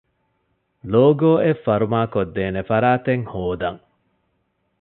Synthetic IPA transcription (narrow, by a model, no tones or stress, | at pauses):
loːɡoːʔefːɐɾumaːkod̪ːeːnefɐɾaːt̪eŋhoːd̪ɐŋ